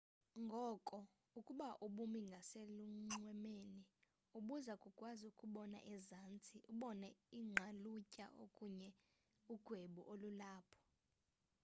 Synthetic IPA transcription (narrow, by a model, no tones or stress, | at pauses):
ŋɡʱɔkʼɔ | ukʼuɓaʔuɓumiŋɡʱaseluŋ͡ǁwɛmeːni | uɓuzakʼukʼwazukʼuɓɔna̰ʔɛzant͡sʼiʔuɓɔnɛiŋ͡ǁʱalucʼa̰ʔokʼuɲɛ | uɡ̥ʱweɓuʔolulaːpʰɔ̥